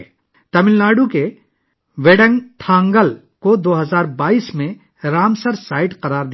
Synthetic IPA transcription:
t̪ɐmɪlnaːɖuke | ʋeɖə̃ŋɡʈʰãːŋɡəl | kod̪oːɦəzaːɾbaːiːsmẽ | ɾaːmsəɾsaːɪʈqɐɾaːɾd̪

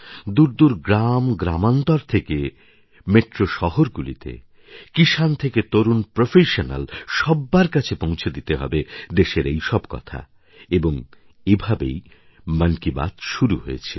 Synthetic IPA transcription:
d̪uɾd̪uɾɡɾamɡɾamant̪ɔɾt̪ʰeke | meʈɾoʃɔɦoɾɡulḭt̪ḛ | kiʃant̪ʰeket̪oɾunpɾofʰeʃona̰lʃɔbːaɾkat͡ɕʰepõw̃t͡ɕʰed̪it̪eɦɔ̰bed̪eʃeɾejʃɔbkɔ̰t̪ʰa̰ | eboŋ | ebʱabḛj | mankiba̰t̪ʃuɾuɦojet͡ɕʰi

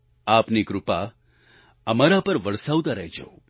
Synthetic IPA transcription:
apnikɾʊpa | əmaɾapəɾʋəɭsawd̪aɾəɦid͡ʒə̰o

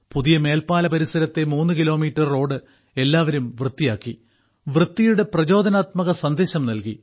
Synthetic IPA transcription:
puðijɐme̞ːlpaːlɐpɐɾisɐɾɐt̪ːe̞muːnːɨkilo̞ːmiːtːɐrːo̞ːɽɨ | e̞lːaːʋɐɾumʋrɨt̪ːijaːkːi | ʋrɨt̪ːijuɽeprɐt͡ɕo̞ːd̪ɐnaːt̪mɐɣɐsɐnd̪e̞ːɕɐmnɐlki

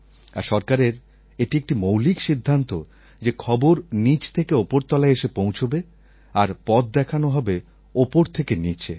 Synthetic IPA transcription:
a̰ɾʃɔɾkaɾeɾ | eʈiek̚ʈimowlikʃid̪ʱːant̪o | d͡ʑekʰɔboɾnit͡ɕʰt̪ʰekeopoɾt̪ɔlaeʃepõw̃t͡ɕʰobe | aɾpɔd̪̚d̪ɛkʰanoɦɔbe | opoɾt̪ʰekenit͡ɕʰḛ

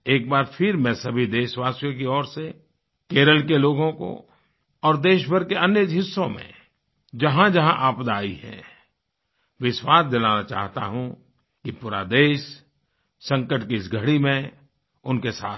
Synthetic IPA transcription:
eːk̚baːɾfʰɪɾmɛ̃sɐbʱid̪eːʃʋaːsjõkiɔːɾse | keːɾəlkeloːɡõko̰ | ɔːɾd̪eːʃbəɾkeɐnjed͡ʒʱɦɪsːõmḛ̃ | d͡ʒɐɦãd͡ʒɐɦãʔaːpd̪aːḭɦɛ̰̃ | ʋɪʃwaːsd̪ɪlaːnat͡ʃa̰ːɦt̪a̰ɦũ | kipuːɾa̰d̪eːʃ | sɐ̃ŋkəʈkiɪsɡʱəɽimẽ | ʊnkesaːt̪̚ʰ

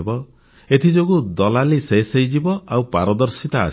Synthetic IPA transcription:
bɔ | et̪ʰid͡ʒoɡud̪ɔlalisejsejd͡ʒibɔʔawpaɾɔd̪ɔɾsit̪aa̰

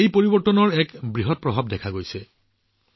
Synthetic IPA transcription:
ejpoɹibɔɹtɔnɔɹɛkbɹiɦɔt̚pɹɔbʱab̚dɛkʰaɡojsɛ

